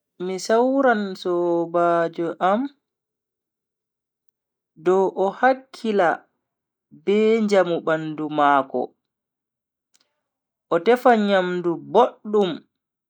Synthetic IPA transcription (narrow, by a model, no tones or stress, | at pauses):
misawɾansɔbaːd͡ʒɔʔam | dɔʔɔhakʰːila | bɛːɲd͡ʒamubandumaːkɔ̰ | ʔɔtɛfaɲamduboɗːum